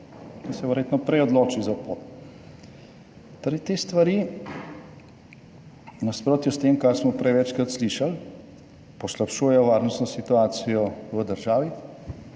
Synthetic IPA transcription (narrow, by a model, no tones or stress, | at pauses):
kisɛʋəɾjet̪nɔpɾɛjɔd̪loːt͡ʃizapot̪ | t̪ɔɾɛjt̪eːst̪ʋaɾi | naspɾoːt̪jɔst̪eːmkaɾsmɔpɾɛjʋɛt͡ʃkɾat̪sliʃal | pɔslapʃuːjɛjɔʋaːɾnɔst̪nɔsit̪uaːsijɔʋəd̪əɾʒaːʋi